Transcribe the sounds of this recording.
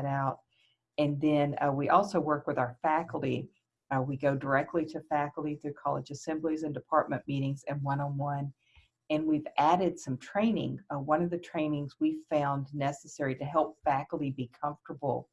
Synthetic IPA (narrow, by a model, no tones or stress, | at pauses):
ɾaʊt̚ | ɨ̃nðɨ̃nwiʔɔlˠsoʊwɜ˞kwɨðaʊə˞fækl̩ˠtḭ | wiɡoʊdə˞ɛk̚tˡliɾɨfækl̩ˠtiθɹʉkʰɑ̰lˠə̰d͡ʒɨsɛ̃mblizɨ̃ndɨpʰɑɹt̚mɨ̃nmiɾɪ̃ŋzɨ̃nwʌ̃nə̃nwʌ̃n | ɨ̃nwivæɾɨd̥sʌ̃mtʰɹ̥ẽɪ̃nɪ̰̃ŋwʌ̃nʌvðɨtʰɹ̥ẽɪ̃nɪ̃ŋzwi̥fãʊ̃nːnɛsɨsɛɹiɾɨɦɛlˠpfækl̩ˠtibikʰʌ̃ɱftə˞bl̩ˠ